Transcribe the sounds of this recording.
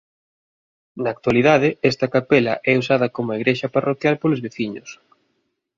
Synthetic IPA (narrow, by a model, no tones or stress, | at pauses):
nɐːk̚t̪waliðaðɪɛst̪ɐkapɛlɐ̰ʔɛusaðɐkomʊaiɣɾeʃɐparokjalpolozβeθiɲʊs